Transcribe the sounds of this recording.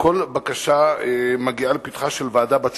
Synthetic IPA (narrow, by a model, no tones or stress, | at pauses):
kolbakaʃamaɡialepit̪χaʃelvaːdabat͡s